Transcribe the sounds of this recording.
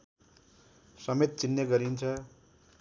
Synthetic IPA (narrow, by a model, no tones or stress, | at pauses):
sʌmet̪̚t͡sinjʌɡʌɾint͡sʰʌ